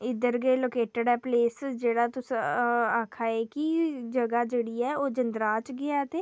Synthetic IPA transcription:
ɪd̪əɾɡeːloːkeːʈɪɖɛːpleːsd͡ʒeːɽaːt̪ʊsaːkʰaːekid͡ʒəɡaːd͡ʒeːɽiːɛːoːd͡ʒənd̪ɾaːt͡ʃɡɪaːt̪eː

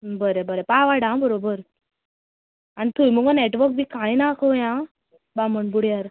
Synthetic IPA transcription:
bəɾebəɾepaʋaɽãbəɾobəɾ | anit̪ujməɡɔneʈʋəɾk̚bikajnakʰojã | baməɳbuɽjaɾ

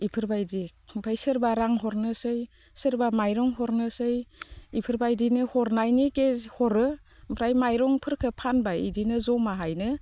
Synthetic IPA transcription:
ipʰɯɾbajdipʰajsɯɾbaɾaŋɦɔɾnɯsɯj | sɯɾbamajɾɔŋhɔɾnɯsɯjipʰɯɾbajdinɯhɔɾnajnikezhɔɾɯ | mpʰɾajmajɾɔŋpʰɯɾkʰɯpʰanbaḭdinɯzɔmaɦajnɯ

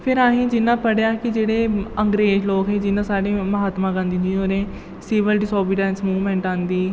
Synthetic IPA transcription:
pʰɪɾaːɦĩːd͡ʒɪnːãːpəɽeaːkɪd͡ʒeːɽeːəŋɡɾeːd͡ʒloːkɦɛːd͡ʒɪnãːsaːɽeːməɦaːt̪mãːɡə̃ːnd̪iːd͡ʒiːɦoːɾẽː | sɪːʋəlɖɪsoːbiɖɛ̃ːnsmuːʋmɛ̃ːɳʈãːnd̪iː

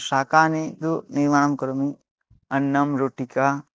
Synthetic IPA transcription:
ʃaːkaːnid̪uniɾmaːɳɐmkɐɾɐmi | ɐnːɐmɾoːʈika

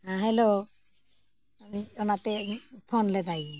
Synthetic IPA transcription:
aɦɛlo | amiɔnatɛpʰɔnlɛd̪aj

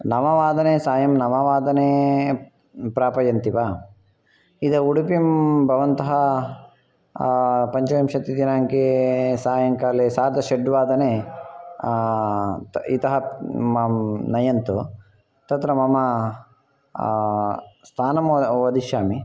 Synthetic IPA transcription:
nɐmɐʋaːd̪ɐneːsaːjɐmnɐmɐʋaːd̪ɐneː | pɾaːpɐjɐnt̪ipaː | id̪ɐuɽupimbʱɐʋɐnt̪ɐɦɐ | pɐɲt͡ʃɐjɐmʃɐt̪id̪inaːŋkesaːjɐŋkaːleːsaːɾd̪ɐʃeɖʋaːd̪ɐneː | it̪ɐɦɐmɐmnɐjɐnt̪u | t̪ɐt̪ɾɐmɐmɐ | st̪ʰaːnɐmʋɐd̪ʱiʃjaːmi

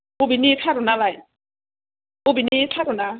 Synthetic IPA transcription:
ʊbinitʰaɾʊnalaj | ʊbinitʰaɾʊna

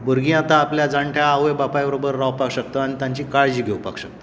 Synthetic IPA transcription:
buɾɡĩat̪aːpljad͡zaɳʈʰjaaɦjbapajbəɾobəɾːawpakɕək̚t̪əaɽ̃it̪jãɲt͡ɕiːkaɭd͡ʑiːɡʱewpa̰kɕək̚tt̪ː

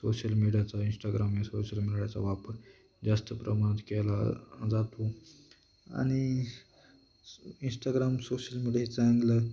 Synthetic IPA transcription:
soɕəlmiɽijat͡sainsʈaɡɾamjasoɕəlmiɽjat͡sa̰ʋapəɾ | d͡zast̪əpɾəmañət̪kɛlad͡zat̪o | a̰ɽ̃i | insʈaɡɾamsoɕəlmiɽijaɦit͡sãŋɡlə

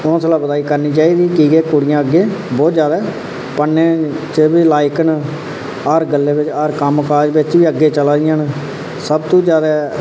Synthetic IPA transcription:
õːsəlaːbəd̪aːiːkəɾniːt͡ʃaːiːd̪iːkiːɡeːkʊɽɪjãːəɡːeːbɔːt̪zjaːd̪aː | pənːeː | t͡ʃəbilaːɪkən | əɾɡəlːeːbɪt͡ʃəɾkəmkaːd͡ʒbɪt͡ʃʋiːəɡːeːt͡ʃəlaːd̪ɪjãːn | səbt̪õːd͡ʒjaːd̪ɛː

